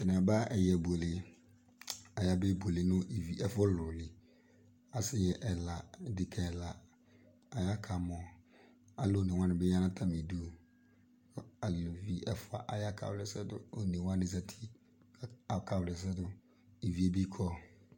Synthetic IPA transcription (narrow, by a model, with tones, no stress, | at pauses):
tɪ˨nã˨ba˦ɛ˨jɛ˨bu˨e˨lɪ˨ | a˨ja˦bɛ˦bo˨lɪ˨nʊ̃˦ʔi˨vi˨ʔɛ˦fɔ˦lʊ˨lɪ˨ | a˨sɪ˦jɛ˨ʔɛ˨la˨dɪ˨kʰɛ˨la˨ | a˨ja˦kʰa˨mɔ̃˨ | a˨lo˦˨nɪ̃˨wã˦nɪ̃˨bɛ˦ã˦nã˦tʰã˦mĩ˨du˦o˨ | a˨lʊ˨vi˨ʔɛ˨fʊ˨a̰˨ʔa˨ja˦kʰa̰˨wlɪ˨sɛ˦dʊ̰˨o˨nĩ˨wã˦nɪ̃˦za˦tʰi˦ | a˨kʰa˨wlɪ˨s̬ɛ˦dʊ˨ | i˨vi˨˦e˦bi˦kʰɔ˦